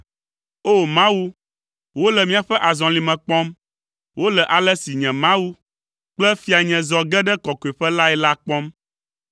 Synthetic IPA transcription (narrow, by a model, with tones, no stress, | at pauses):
o˦˨mã˦wu˦ | wo˦lɛ˨mĩ˦a˨ɸɛ˦ʔa˨zɔ̃˨li˨mɛ̃˨k͡pɔ̃˦m | wo˦lɛ˨ʔa˨lɛ˦si˨ɲɛ̃˨mã˦wu˦ | k͡plɛ˦fi˦a˨ɲɛ̃˨zɔ˨ɡɛ˦ɖɛ˦kɔ˨kɔ˨ɛ˨ɸɛ˦la˦ɛ˦la˦k͡pɔ˦m